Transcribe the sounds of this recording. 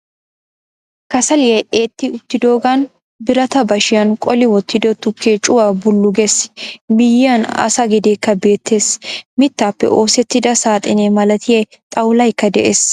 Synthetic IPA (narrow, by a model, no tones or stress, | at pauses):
kɐsɐlɪjɛʔeːt̪ːɪʊt̪ːɪd̪o̞ːɡɐn | bɪɾɐt̪ɐbɐʃɪjɐnkʼɔlɪwɔt̪ːɪd̪ɔt̪ʊkːeːt͡ʃʼʊwaːbʊlːʊɡɛsmɪjːɪɐnɐ̰sɐɡɪd̪eːkːɐbe̞ːt̪ːe̞ːsmɪt̪ːaːpːɛ̰ʔo̞ːsɛt̪ːɪd̪ɐsaːt̪ʼɪneːmɐlɐt̪ɪje | t̪ʼɐwlɐjkːɐd̪ɛʔeːs